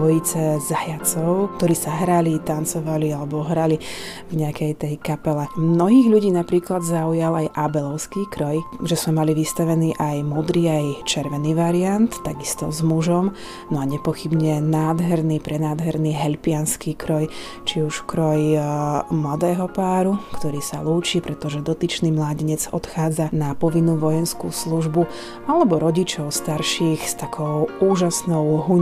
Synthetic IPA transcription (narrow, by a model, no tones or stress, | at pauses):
ɔjit͡sɛzajat͡sɔʊkt̪ɔɾiːsaɦɾalit̪ant͡sɔʋalialɛbɔɔɦɾali | vɲɛakɛjt̪ɛjkapɛlɛmnɔɦiːɣʎuɟiːnapɾiːklad̪zaujalajʔabɛlɔʊskiːkɾɔjʒɛzmɛmaliʋist̪aʋɛniːʔajmɔd̪ɾiːajt͡ʃɛɾʋɛniːʋaɾiant̪ːaɡist̪ɔzmuʒɔm | nɔaɲɛpɔxibɲɛnaːd̪ɦɛɾniːpɾɛnaːd̪ɦɛɾniːɦɛʎpɪanskiːkɾɔj | t͡ʃiuʃkɾɔj | mlad̪ɛːɦɔpaːɾukt̪ɔɾiːsaluːt͡ʃiːpɾɛt̪ɔʒɛd̪ɔt̪it͡ʃniːmlaːɟiɲɛd͡zɔ̰t̪xaːd͡zanapɔʋinːuːʋɔjɛnskṵːsluʒbu | alɛbɔɾɔɟit͡ʃɔʊst̪aɾʃiːxst̪akʰɔʊuːʒasnɔʊɦuɲ